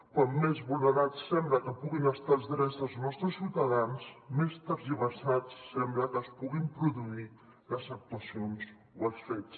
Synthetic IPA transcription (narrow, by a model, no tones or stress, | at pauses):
kwamːezβulˠnəɾat͡sːɛmbləkəpuɣinəst̪alˠzðɾɛzðəlˠznɔst̪ɾəsːiwt̪əðansmest̪əɾziβəsat͡sːɛmbləkəːspuɣimpɾuðui | ləzək̚t̪uəsions | owəlˠsfes